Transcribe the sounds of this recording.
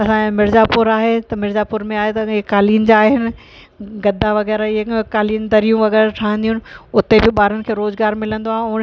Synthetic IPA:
ɐsãmɪɾzaːpʊɾaːɦet̪ɐmɪɾzaːpʊɾmẽaːɦet̪ɐɦɪkːaːliːnɪ̆d͡ʑaːɦɪnɪ̆ | ɡɐd̪ʱaʋɐɣɛːɾaɪɦekaːliːnd̪ɐɾijũʋɐɣɛːɾaʈʰaːɦə̃nd̪iɦʊ̃nɪʊt̪ebɪɓaːɾʊnɪ̆kʰeːɾoːzɡaːɾmɪlə̃nd̪oaːɦẽʊn

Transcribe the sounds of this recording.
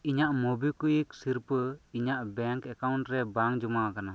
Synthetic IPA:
iɲaʔmɔbikujiksiɾpəiɲaʔbɛŋkɛkawɳʈɾɛbaŋd͡ʒumakana

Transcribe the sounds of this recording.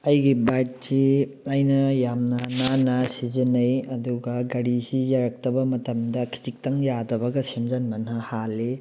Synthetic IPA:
ɐjɡibajt̚siɐjnɐjamnɐnanasizinɐjɐduɡɐɡɐɾisijaɾɐk̚tɐbɐmɐtɐmdɐkʰi̥t͡ʃik̚tɐŋjadɐbɐɡɐsemzɐnmɐnɐhali

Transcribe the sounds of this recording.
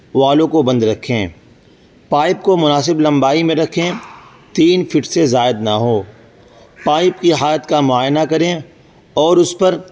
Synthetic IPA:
ʋaːlõkobɐ̃nd̪ɾɐkʰẽː | paːɪp̚komʊnaːsɪblɐ̃mbaːimẽɾɐkʰẽ | t̪iːnfɪʈsezaːɪd̪naɦoː | paːɪpkiɦaːlət̪kamʊaːjnakɐɾẽ | ɔːɾʊspɐɾ

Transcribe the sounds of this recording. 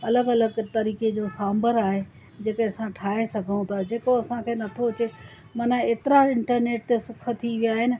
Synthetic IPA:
ɐləɡɐləɡt̪ɐɾiːked͡ʑoːsãːmbəɾaːɦe | d͡ʑeːkeɐsãʈʰaːɦesɐɡʱəũt̪ʰad͡ʑeːkoɐsãkʰeːnɐt̪ʰoʊt͡ɕe | mɐnəeːt̪ɪɾaɪ̃ɳʈəɾneːʈ̚t̪esʊkʰə̆t̪ʰiʋijaːɦɪnɪ̆

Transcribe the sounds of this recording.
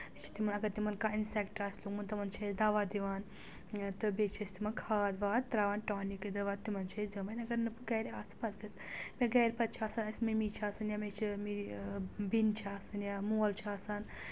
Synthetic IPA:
t͡ʃʰi̥t̪imɐnɐɡɐɾt̪imɐnkaːinsɛkʈaːslukmɐnt̪ɐmɐnt͡ʃʰɐːsd̪ɐʋaːd̪iʋaːn | t̪ɨbet͡ʃʰɐsʲt̪imɐnkʰaːd̪ʋaːt̪t̪ːɾaːʋaːnʈaːnikɨd̪ɐʋaːt̪ːimɐnt͡ʃʰɐsd͡zɐʋɐnʲɐɡɐɾnɨpɨɡɐːɾiaːsɨ̥pɐd̪kɨs | mʲeɡɐːɾʲpɐt̪̚t͡ʃʰaːsaːnɐsʲmimit͡ʃʰaːsɐnjaːmet͡ʃʰimi | bint͡ʃʰaːsɐnjamuːɐlt͡ʃʰaːsaːn

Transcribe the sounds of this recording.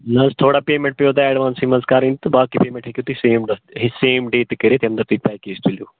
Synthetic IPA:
nɐst̪ʰoːɽaːpeːmẽɳʈ̚pjoːd̪aːɛːɖʋãːnsɦiməskaːɾĩnt̪ɨbaːkipeːmẽɳʈɦekjoːt̪iseːmɖɦiseːmɖeːt̪kəɾet̪eɐ̃md̪ɐɾt̪uipaːjkeːsʈ̪iljoː

